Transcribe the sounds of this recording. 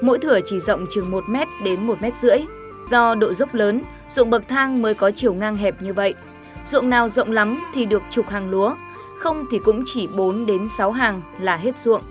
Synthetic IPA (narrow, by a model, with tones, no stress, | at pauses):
mo̰˧˥jt̪ʰɨ˧˩ət͡ɕi˧˩zə̰˧˨wŋ͡mt͡ɕɨ˨˩ŋmo˨˩t̚mɛ˦˥t̚ɗe˨˦nmo˨˩t̚mɛ˦˥t̚zɨ̰˧˥əj | zɔ˧ɗo̰˧˨zə˦˥wk͡p̚ləː˨˦n | zṵ˧˨əŋ̚ɓə˨˩k̚t̪ʰaː˧ŋməː˨˦jkɔ˨˦t͡ɕi˨˩əwŋaː˧ŋɦɛ˨˩p̚ɲɨ˧və̰˧˨jʔ | zṵ˧˨ŋnaː˨˩wzə̰˧˨wŋ͡mla˨˦mt̪ʰi˨˩ɗɨ˨˩ək̚t͡ɕʊ˨˩k͡p̚haː˨˩ŋlu˨˦ə | xə˧wŋ͡mt̪ʰi˨˩kʊ̰˧˥ŋ͡mt͡ɕi˧˩ɓo˨˦nɗe˨˦nsa˨˦wɦaː˨˩ŋlaː˨˩ɦe˦˥t̚zṵ˧˨əŋ